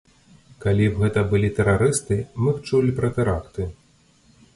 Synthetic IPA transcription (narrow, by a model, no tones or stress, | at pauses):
kalʲiwɣɛt̪ɐbɨlʲit̪ɛɾaɾɨst̪ɨmɨxt͡ʂulʲpɾɐt̪ɨɾakt̪ɨ